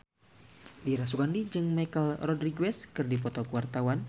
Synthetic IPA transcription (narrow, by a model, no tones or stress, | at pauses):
diɾas̬uɡandid͡ʒɨŋmajkəlrɔdɾiɡuɛskɨrdipɔt̪ɔkuwart̪awan